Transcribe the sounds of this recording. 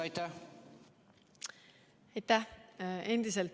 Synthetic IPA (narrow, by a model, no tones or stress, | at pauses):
ɑjt̪ːæ | ɑjt̪æhe̞nd̪̥iselt̪